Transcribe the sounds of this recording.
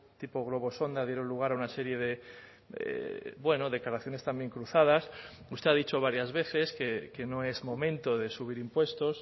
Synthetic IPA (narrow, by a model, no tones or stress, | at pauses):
t̪ipoɣ̞lo̞β̞o̞so̞nd̪að̞je̞ɾonluɣ̞aɾaunaseɾje̞ðe̞ | ḛbwe̞noðe̞klaɾaθjo̞nest̪ambje̞ŋkɾuθað̞as | ust̪eaðit͡ʃo̞β̞aɾjazβe̞θe̞skeke̞noe̞zmõ̞mẽnt̪oðe̞suβiɾimpwe̞st̪os